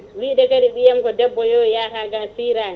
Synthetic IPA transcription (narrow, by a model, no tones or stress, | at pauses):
wiːɗɛkaɾiɓijamkɔdɛbːɔjɔjaːkaɡasiːɾaːn